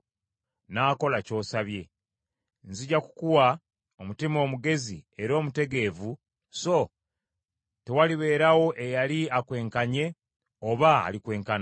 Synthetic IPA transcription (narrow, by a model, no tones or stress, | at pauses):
naːko̞laco̞ːsaβje̞ | nziɟaku̥kuwa | omutimo̞ːmuɡe̞zie̞ɾo̞ːmute̞ɡe̞ːvu | so̞ | te̞waliβe̞ːɾawo̞ʔe̞jaliakwe̞ːŋkaɲe̞ | oβa̰ːlikwe̞ːŋkan